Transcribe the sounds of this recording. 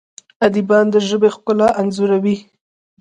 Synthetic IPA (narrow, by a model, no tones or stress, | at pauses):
ad̪ibɑnd̪əʒəbexkʊlaʔanzuɾawi